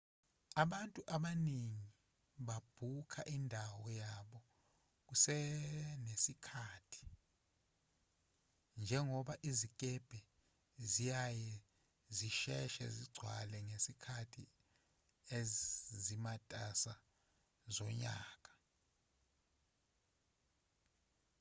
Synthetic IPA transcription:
aɓantʼuʔaɓaniŋi | ɓab̥ʱukʰaʔindʱawɔjaɓɔ | k̬usɛnesikʰaːtʰi̥ | nd͡ʒʱɛŋɔɓaʔizikʼɛb̥ʱɛ | zijajɛ | ziʃɛʃɛ̰ziɡ͡ǀʱwa̰lɛŋesikʰatʰḭ | ezimatʼasa | zɔɲa̰ːk̬ʼḁ

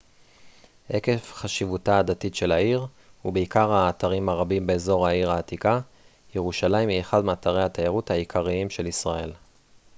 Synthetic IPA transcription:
ʔe̞ke̞fχaʃivutaːd̪atitʃe̞laiʁ | hubeikaʁhaːt̪aʁimhaʁabimbe̞ːzo̞ʁaiʁaːt̪ika | jeʁuʃalaimieχadmeat̪aʁejhat̪ajaʁuthaikʰaʁiimʃe̞lisʁae̞l

